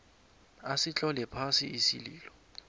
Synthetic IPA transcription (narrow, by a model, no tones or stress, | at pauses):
asit͡ɬʼɔlɛpʰasiisḭliːlɔ